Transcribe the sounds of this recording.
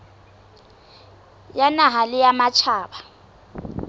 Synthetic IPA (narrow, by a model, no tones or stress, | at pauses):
janaɦalɪjamat͡ʃʰaːɓa